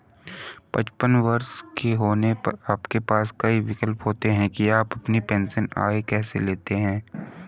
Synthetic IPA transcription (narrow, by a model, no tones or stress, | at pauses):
pɐt͡ʃpənʋɐɾskeɦoːnepɐ̰ɾaːpkepaːskɐiʋɪkəlpɦoːt̪eɦɛ̃kiaːpɐpnipɛ̃ːnsəna̰ːekɛːsḛleːt̪eɦɛ̃ː